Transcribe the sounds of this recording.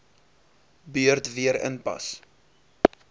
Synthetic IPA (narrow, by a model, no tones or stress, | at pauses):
byərtviəɾə̰npɐ̰s